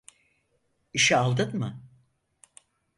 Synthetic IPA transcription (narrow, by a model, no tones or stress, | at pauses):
iʃɛalˠd̪ɯnmɯ